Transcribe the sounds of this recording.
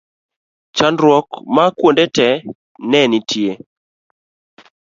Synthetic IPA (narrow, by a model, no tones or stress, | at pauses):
t͡ʃandɾwɔkmakwondɛtɛ | nɛnitʰje